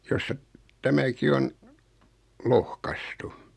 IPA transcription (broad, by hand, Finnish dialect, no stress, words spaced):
jostɑ tæmæki on lohkɑstu